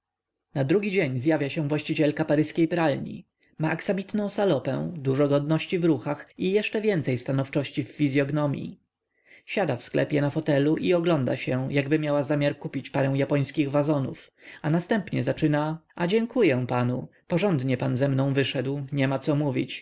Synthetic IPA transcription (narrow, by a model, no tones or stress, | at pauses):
nad̪ɾuɡʲid͡ʑeɲzjavʲjaɕɛ̃vwaɕt͡ɕit͡ɕɛlkapaɾɘskʲejpɾalɲḭ | maʔaksabʲit̪nɔ̃w̃salɔpɛ̰̃w̃d̪uʐɔɡɔd̪nɔɕt͡ɕivɾuxaxijɛʂt͡ʂɛvʲjɛnt̪sɛjst̪anɔft͡ʂɔɕt͡ɕifːizʲjɔɡnɔmʲjḭ | ɕad̪afsklɛ̰pʲjɛnafɔt̪ɛluʔiɔɡlɔnd̪a̰ɕɛjaɡbɘmʲjawazamʲjaɾkupʲit͡ɕpaɾɛ̃w̃japɔj̃skʲiɣvazɔnṵf | anast̪ɛmpɲɛzat͡ʂɘnaʔad͡ʑɛŋkujɛpanupɔʐɔnd̪ɲɛpanzɛmnɔ̃w̃vɘʂɛd̪wɲɛmat̪sɔmuvʲḭt͡ɕ